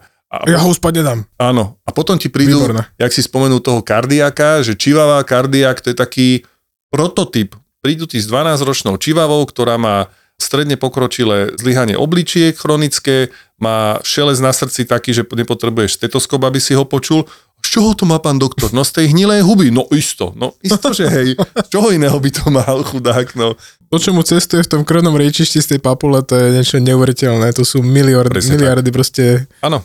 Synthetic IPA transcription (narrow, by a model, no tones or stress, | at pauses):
a̰jaɦɔuspadɲɛd̪aːmaːnɔapɔt̪ɔmcipɾiːd̪uɾnjaksispɔmɛnuːt̪ɔɦɔkaɾd̪iakaʒɛt͡ʃiʋaʋaːkaɾd̪iakt̪ɔjɛt̪akiː | pɾɔt̪ɔt̪ip | pɾiːd̪ut̪iːɣzd̪ʋanaːzɾɔt͡ʃnɔʊt͡ʃiʋaʋɔʊkt̪ɔɾaːmaː | st̪ɾɛd̪ɲɛpɔkɾɔt͡ʃilɛːzliɦaɲɪɛ̰ʔɔblit͡ʃɪɛkxɾɔnit͡skɛː | maːʃɛlɛznasr̩t͡sit̪akiːʒɛɲɛpɔt̪ɾɛbujɛʃst̪ɛt̪ɔskɔbabisiɦɔpɔt͡ʃul | t͡ʃɔɦɔt̪ɔmaːpaːnd̪ɔkt̪ɔɾnɔst̪ɛjɦɲilɛjɦubinɔʔist̪ɔ̰nɔ̰ist̪ɔʒɛɦɛjt͡ʃɔɦɔinɛːɦɔbit̪ɔmalxud̪aːknɔ | t̪ɔt͡ʃɔmut͡sɛst̪ujɛft̪ɔmkr̩ʊnɔmɾɛt͡ʃiʃcist̪ɛjpapulɛt̪ɔjɛɲɪɛt͡ʃɔɲɛuʋɛɾicɛlnɛt̪ɔsuːmilɪaɾɛmilɪaɾd̪ipɾɔscɛaːnɔ